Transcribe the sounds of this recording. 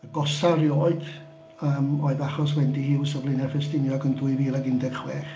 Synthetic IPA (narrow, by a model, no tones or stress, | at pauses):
əɡɔsarjoːɨd̥ | əːmoːɨðaχɔswɛndihɪwsəvlˠɪnɛrfɛstɪnjɔɡəndwɨviːlˠaɡɪndɛɡ̥χweːχ